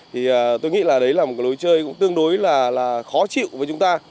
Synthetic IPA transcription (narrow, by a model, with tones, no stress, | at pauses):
t̪ʰi˨˩ʔəː˨˩t̪o˧jŋḭ˧˥laː˨˩ɗə˨˦jlaː˨˩mo˨˩kːa˨˦jɗo˨˦jt͡ɕəː˧jkʊ̰˧˥ŋ͡mt̪ɨ˧əŋɗo˨˦jlaː˨˩laː˨˩xɔ˨˦t͡ɕḭ˧˨wvəː˨˦jt͡ɕʊ˨˦ŋ͡mt̪aː˧